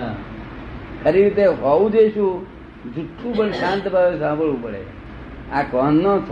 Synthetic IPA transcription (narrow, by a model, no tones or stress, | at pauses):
kʰəɾiɾit̪eɦɔũd͡ʒeʃũ | d͡ʒuʈʰːũpəɳʃãnt̪bʱaʋẽsãbʱəɭũpəɽḛ | akɔnːõt͡ʃʰ